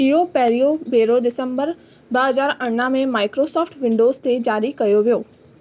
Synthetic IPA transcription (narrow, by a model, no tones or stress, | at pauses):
ijopɛːɾiobeːɾoɖɪsə̃mbəɾ | bəɦɐzaːɾɐɳːamẽmaːɪkɾoːsɔːfʈʋɪ̃ɳɖoːzt̪ed͡ʒaːɾikɐjoʋijoː